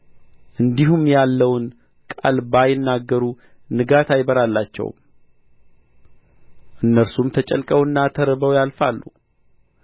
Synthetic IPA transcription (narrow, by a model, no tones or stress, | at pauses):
ʔɨnd̪iɦumjalːəwn | kʼalbajɪnːaɡːəɾu | nɨɡat̪ʰajbəɾalːat͡ʃːɛ̰w | ʔɨnːəɾsumt̪ʰət͡ʃʼə̰lkʼəwɨnːat̪ʰəɾəbəwjalfalːṵ